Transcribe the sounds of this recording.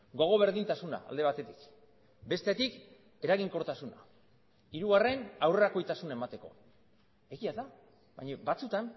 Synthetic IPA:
ɡo̞ɣ̞o̞β̞e̞ɾðint̪asuna̰ːld̪e̞β̞at̪e̞t̪ik | be̞st̪et̪ik | e̞ɾaɣ̞iŋko̞ɾt̪asuna | iɾuɣare̞nawre̞ɾako̞jt̪asunae̞mat̪e̞ko̞̰ | eɣiaða | βa̰ɲabat͡sut̪an

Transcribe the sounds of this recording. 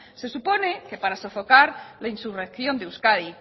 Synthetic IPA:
se̞supo̞ne̞ke̞paɾaso̞fo̞kaɾlainsure̞kθjo̞nd̪euskaði

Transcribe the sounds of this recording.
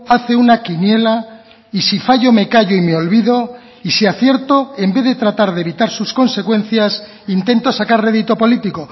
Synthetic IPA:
aθe̞unakinje̞la | isifaʝo̞me̞kaʝoimeo̞lβiðo̞ | isiaθje̞ɾt̪oe̞mbe̞ðe̞t̪ɾat̪aɾðeβit̪aɾsusko̞nse̞kwe̞n̟θjas | int̪e̞nt̪o̞sakaɾrre̞ðit̪o̞po̞lit̪iko̞

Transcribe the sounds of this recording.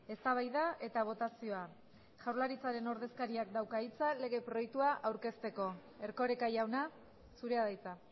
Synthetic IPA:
e̞st̪aβ̞ajðae̞t̪aβ̞o̞t̪asio̞a | ʝawɾlaɾit͡saɾe̞no̞ɾðe̞skaɾiak̚d̪awkait͡sale̞ɣe̞pɾo̞ek̚t̪uaʔawɾke̞st̪e̞ko̞ | e̞ɾko̞ɾekajawna | suɾe̞aðajt͡sa

